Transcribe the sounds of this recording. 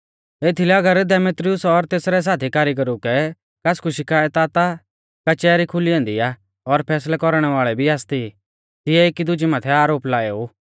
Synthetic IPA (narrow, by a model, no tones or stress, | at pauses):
eːt̪ʰilɛɐɡəɾd̪ɛmeːt̪ɾɪʊsɔɾt̪eːsɾɛs̬aːt̪ʰikaːɾiɡɐɾukɛ | kaskuʃɪkaːjət̪aːt̪a | kat͡ʃɛːɾikʰʊliɐ̃ːnd̪ia | ɔɾpʰɛːslakɔɾɽ̃ɛʋaːɭɛbʱiaːst̪i | t̪ɪjɛeːkid̪ʊd͡ʒimaːt̪ʰɛaːɾoːplaːeːu